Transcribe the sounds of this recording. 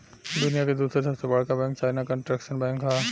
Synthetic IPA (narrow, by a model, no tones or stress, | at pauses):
d̪ʊnijaked̪uːsɾesɐbsebɐɭ̤kabɛ̃ːŋk̚t͡ʃaːɪnakə̃ɳʈɾɛkʃənbɛ̃ːŋkɦaː